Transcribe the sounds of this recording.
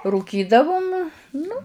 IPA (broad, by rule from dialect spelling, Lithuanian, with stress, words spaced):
ruːˈkʲiːdɐʋʊm ˈnʊ